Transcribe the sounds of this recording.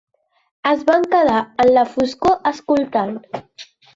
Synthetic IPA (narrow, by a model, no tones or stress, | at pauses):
əzβaŋkəðaənlafuskoʔəskult̪an